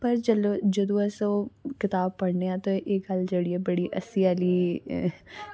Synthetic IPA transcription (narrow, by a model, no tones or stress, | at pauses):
pəɾd͡ʒəloːd͡ʒəd̪õːəsokɪt̪aːb̚pəɽneːãːt̪õʔekɡəld͡ʒeːɽiːaːbəɽiːʔə̰siaːliː